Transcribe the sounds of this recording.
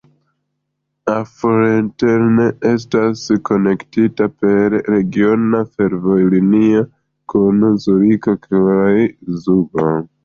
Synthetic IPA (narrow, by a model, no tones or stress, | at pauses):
afoɾenteɾne̞e̞s̬tasko̞ne̞ktitape̞ɾːe̞ɡio̞nafe̞ɾvo̞jlinia | kunzuɾikakʰajzuɡa